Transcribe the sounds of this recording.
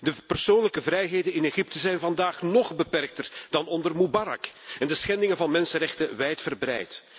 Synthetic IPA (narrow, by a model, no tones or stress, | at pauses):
dəpərsoːnləkəvrɛjɦeːjdənɪneɣɪp̚təzɛjnvɑndaːχnɔχbəpɛrk̚tərd̥ɑnɔndərmubaɾɑ̰kɛndəsxɛndɪŋəvɑnmɛnsənrɛxtəʋɛjtfərbrɛ̰jt